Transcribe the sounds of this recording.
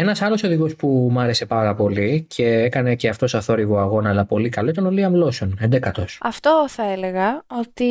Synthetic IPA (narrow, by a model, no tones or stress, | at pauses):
e̞nɐsɐlo̞so̞ðiɣo̞spumɐɾe̞se̞pɐɣɐpo̞licʰe̞ekɐne̞ce̞ɐft̪o̞sɐθo̞ɾiɣoɐɣo̞nɐːlɐpo̞likɐlo̞it̪ɐnoliɐmlo̞so̞nend̪e̞kɐt̪o̞sɐft̪o̞θɐeleɣɐot̪i